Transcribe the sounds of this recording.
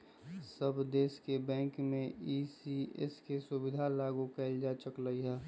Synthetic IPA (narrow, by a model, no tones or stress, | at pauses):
səbd̪eːskebɛ̃ːŋkmẽisiḛskesubɪd̪ʱalaːɡukɛld͡ʒaːt͡ʃəkləiɦɛː